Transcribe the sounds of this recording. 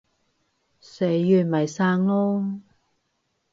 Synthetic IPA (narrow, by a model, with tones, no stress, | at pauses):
se˨˥˦jjyː˨˩nmɐ˨˩jsaː˧ŋloː˥